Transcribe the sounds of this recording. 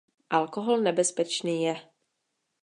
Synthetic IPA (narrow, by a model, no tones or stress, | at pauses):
ʔalkoɦolnɛbɛspɛt͡ʃniːjɛ